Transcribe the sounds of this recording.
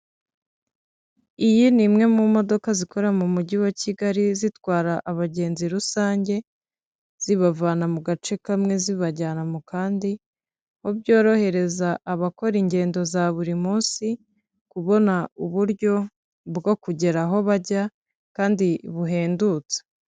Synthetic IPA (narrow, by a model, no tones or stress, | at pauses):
ijinimŋe̞mumo̞dokazikʰo̞ɾamumuɟiwaciɡaɾizitwaːɾaʔːβaɟe̞ːnziɾusaːɲɟe̞ | z̥iβavaːnamuɡat͡ʃe̞kamŋe̞ziβaɟaːnamukaːndi | hobɟo̞ːɾo̞he̞ɾe̞zaʔːβako̞ɾiɲɟe̞ːndo̞zaβuɾimuːnsi | kuβo̞nauβuɾɟo̞ | bɡo̞kuɟe̞ɾaɦo̞βaɟa | kaːndiβuɦe̞ːndut͡se̥